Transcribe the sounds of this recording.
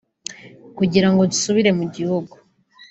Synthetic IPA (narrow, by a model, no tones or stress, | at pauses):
kuɟiɾaŋɡo̞dusuβiɾe̞muɟihuɡu